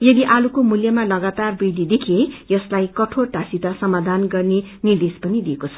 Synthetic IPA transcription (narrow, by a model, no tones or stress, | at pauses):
jʌd̪iʔalukomuljʌmalʌɡat̪arbid̪ʱid̪ekʰiejʌslajkʌʈʰorʈasit̪asʌmad̪ʱanɡʌrnenird̪espʌnid̪iekot͡sʰʌ̥